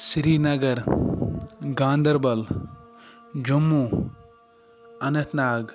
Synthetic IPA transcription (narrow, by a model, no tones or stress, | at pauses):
siɾiːnɐɡɐɾ | ɡãːnd̪ɐɾbɐl | d͡ʒumːu | ɐnɐt̪naːɡ